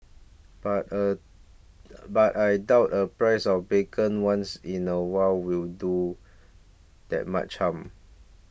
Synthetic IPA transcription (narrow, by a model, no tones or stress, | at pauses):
batə | batajdaʊtəpɹajsɔfbekʰə̃nwãnsĩnəwalwildu | d̥ɛ̰t̚ma̰t͡ʃhãm